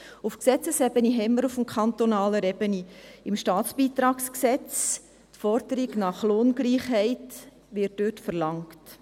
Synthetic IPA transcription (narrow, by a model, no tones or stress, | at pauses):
ufksɛt͡səsɛbəniɦɛmːəɾufm̩kʰɑntonɑːləɾɛbəniɪmʃtɑːtsb̥iːt̪ɾɑːksksɛt͡s | tfɔɾd̥əɾiɡnɑχloːnɡliːχhɛɪt | ʋɪːɾtdøːtfəɾlɑŋkt